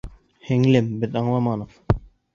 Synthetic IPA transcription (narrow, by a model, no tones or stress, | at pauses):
hɘ̆ŋlɘmbɘðɑɴlˠɑmɑnɤq